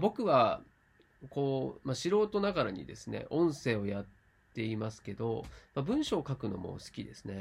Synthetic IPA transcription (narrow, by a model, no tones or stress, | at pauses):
bo̞kɯ̟βa | ko̞ːmaɕiɾo̞ːt̪o̞naɡaɾaɲ̟ḭd̪e̞sɨne̞̰ʔõ̞ɰ̃se̞ːo̞jat̪ː | e̞imasɨ̥ke̞d̪o̞mabɯ̟̃ɰ̃ɕo̞ːkakɯ̟no̞̰mo̰sɨ̥kʲid̪e̞sɨ̥ne